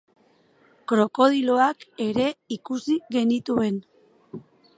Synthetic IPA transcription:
kɾo̞ko̞ðilo̞ake̞ɾe̞ikusiɣe̞nit̪ue̞n

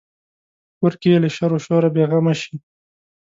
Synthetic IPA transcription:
kʊɾkijeləʃaɾoʃoɾabeɣamaʃi

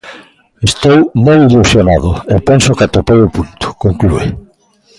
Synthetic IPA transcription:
est̪owmojilusjonaðʊepensʊkat̪opewʊpunt̪ʊ̥koŋklue

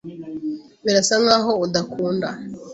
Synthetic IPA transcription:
βiɾasaŋaːɦo̞udakʰuːnda

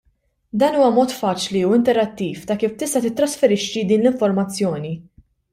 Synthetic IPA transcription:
d̪ɐːnuːwɐmɔːt̪fɐːt͡ʃliuɪnt̪ɛɾɐt̪ːiːft̪ɐkiːft̪ɪst̪ɐt̪ɪt̪ːɾɐsfɛɾɪʃːid̪iːnlɪɱfɔɾmɐt͡sːjɔːni

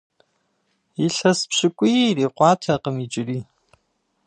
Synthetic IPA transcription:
iɬɐspɕɪkʷʼʊjriːqʷɑːtʰɐqəmit͡ʃʼɪriː

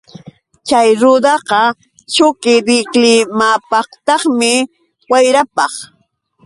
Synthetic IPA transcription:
t͡ʃajɾʊd̪ɑqɑ | t͡ʃʊkɪɾɪklɪmapɑχt̪ɑχmɪ | wajɾapɑχ

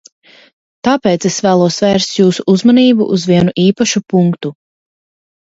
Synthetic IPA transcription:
t̪aːpeːt̪sesvæːlˠuɔsvɛːɾst̪juːsuʔuzmɔniːbṵʔːzvʲiɛnuʔiːpaʃupuŋkt̪u

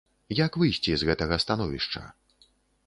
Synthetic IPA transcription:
jakvɨjsʲt͡sʲizɣɛt̪ɐɣɐst̪anɔvʲḭʂt͡ʂɐ̰

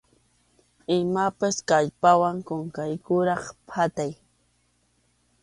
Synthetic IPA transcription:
ɪmapaskaʎpawaŋkoŋkajkʊɾɑχpʰat̪aj

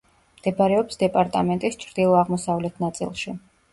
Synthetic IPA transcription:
md̪̥ɛbaɾɛɔpsd̪ɛpʼaɾt̪ʼamɛnt̪ʼist͡ʃʰɾd̪̥ilˠɔaʁmɔsavlɛt̪ʰnat̪sʼḭlˠʃi

